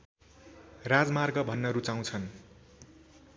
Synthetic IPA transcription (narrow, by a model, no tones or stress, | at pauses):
rad͡zmarɡʌbʱʌnːʌɾut͡saw̃t͡sʰʌn